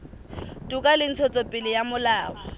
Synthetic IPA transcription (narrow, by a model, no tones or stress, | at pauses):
tʼukʼalɪn̩t͡sʰɔt͡sʼɔpʼɪlɪjamʊlaːwɔ